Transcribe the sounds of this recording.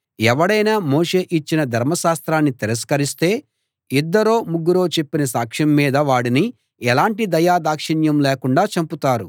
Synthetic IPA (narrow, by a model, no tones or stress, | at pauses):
ɛʋɐɽɐjnaːmoːʂe̞ːʔit͡ʃːinɐd̪ʱɐɾmɐʃaːst̪ɾaːnːit̪iɾɐskɐɾist̪e̞ː | id̪ːɐɾo̞ːmuɡːuɾo̞ːt͡ʃe̞pːinɐsaːkʂɐmːiːd̪ɐʋaːɽini | ɛlaːɳʈid̪ɐjaːd̪aːkʂɐɳjɐmleːkuɳɖaːt͡ʃɐmput̪aːɾu